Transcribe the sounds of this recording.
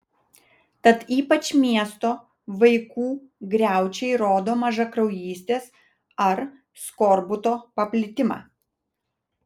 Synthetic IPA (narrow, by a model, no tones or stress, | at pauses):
t̪ɐt̪iːpɐt͡ʃʲmʲiɛst̪oː | ʋɐɪkuːɡɾʲæˑʊt͡ʃʲɛɪɾoːd̪oːmɐʒɐkɾɒʊjiːsʲt̪ʲeːs | ɐɾ | skoːɾbʊt̪oːpɐpʲlʲɪt̪ʲɪmɑ̰ː